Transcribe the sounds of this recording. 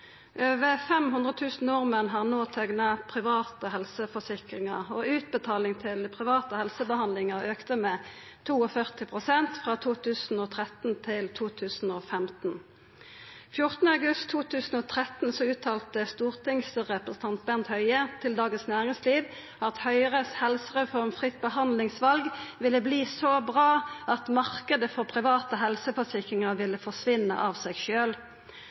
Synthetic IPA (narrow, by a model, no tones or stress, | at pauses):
ʔøːʋəfɛmhʉnd̪ʁət̪ʰʉːsn̩nʊʁmənɦɑːʁnoːt̪ʰɛɡnɑpʰʁɪʋɑːt̪əhɛlsəfɔsɪkʁɪŋɑʁoːʉːt̪̚bət̪ʰɑːlɪŋt̪ʰɪlpʰʁɪʋɑːt̪əhɛlsəbəhɑnlɪŋɑʁøːkt̪əmeː | t̪ʰuːɔfœʁt̪ɪpʰʁʊsɛnt̪fʁɑːt̪ʰuːt̪ʰʉːsn̩oːt̪ʰʁɛt̪n̩t̪ʰɪlt̪ʰuːt̪ʰʉːsn̩oːfɛmt̪n̩ | fjʊʁt̪ənəɑɡʉst̪ʰːuːt̪ʰʉːsn̩ɔt̪ʰʁɛt̪n̩sɔʉːt̪ʰɑːlt̪əst̪uːʁt̪ɪŋsʁɛpʁəsən̩t̪ʰɑnt̪̚bɛnt̪hœʏət̪ʰɪld̪ɑːɡənsnæːʁɪŋsliːʋ | ɑt̪hœʏʁəshɛlsəʁɛfɔʁmfʁɪt̪bəhɑnlɪŋsʋɑlɡʋɪlːəbliːsoːbʁɑːɑt̪mɑʁkəd̪əfɔʁpʰʁɪʋɑːt̪əɦɛlsəfɑt̪ʰɪkɪŋəʋɪlːəfɔʂʋɪnə̰ʔɑʋsɛːɡʃøːl